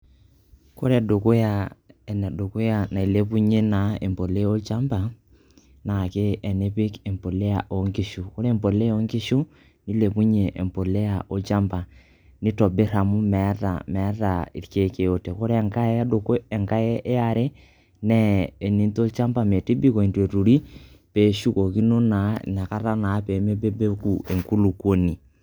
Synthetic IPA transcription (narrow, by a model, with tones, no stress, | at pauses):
ko˦ɾɛ˨do˨ko˦ja˦˨ɛ˨nɛ˨do˨ko˦ja˨na˨i˨le˦pu˦ɲe˦na˨e˨mpo˨le˦o˦lt͡ʃa˦mba˨ | na˨ke˦ɛ˨ne˦pɪ˦ke˨mpo˨le˦ja˨ʔo˨˦ŋkɪ˦ʃu˨ko˦ɾe˦˨mpo˨le˦o˦ŋkɪ˦ʃu˦ | ni˦le˨pu˦ɲe˨ʔḛ˨mpo˨le˦ja˨ʔo˦t͡ʃa˦mba˨ | ni˦tɔ˨be˦ɾa˨mu˦mɛ˨˦ta̰˨mɛ˨˦ta˨i˨ɾke˦ke˨o˦te˨ko˦ɾe˦ɛ˨ŋka˦e˦do˨ko˦ɛ˨ŋka˦ɛ˦ʔe˦a˨ɾe˦ | nɛ˦e˨ni˦nto˦t͡ʃa˦mba˨me˨ti˦bi˦ko˨i˨ntwe˨tu˨ɾi˦ | pe˨˦ʃu˦ko˨ki˦no˦na̰˨˦˨na˨ka˦ɾa˦na˨˦pe˨˦me˦be˦be˦ku˨e˨ŋku˦lu˨kwo˦ni˨